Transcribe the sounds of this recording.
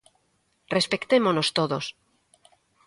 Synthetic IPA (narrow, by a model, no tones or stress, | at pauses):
respekt̪emonost̪oðos